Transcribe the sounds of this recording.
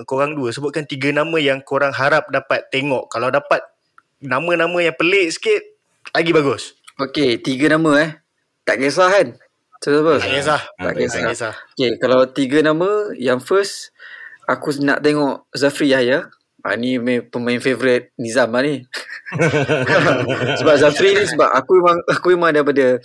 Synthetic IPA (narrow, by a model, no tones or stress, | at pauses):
koɣaŋduəsəbʊt̪̚kant̪iɡənamə̃jaŋkoɾaŋɦaɾap̚dapat̪ːeŋɔʔkalawdapat̪̚ | namə̃nãmə̃jaŋpəleʔsə̥kɪt̪̚ | laɡibaɡʊsoket̪iɡanamə̃ɛh | t̪aʔɡes̬aɦan | səsapəaɡesaht̪a̰ʔkɛsasaokekalawt̪iɡənamə̃jaŋfəs | akuna̰ʔt̪eŋɔʔzafɾijahja | a̰nimepəmãɪnfevoɾɪt̪̚nizamani | səbap̚zafɾinis̬əba̰ʔa̰kuemaŋakuimãŋdaipadə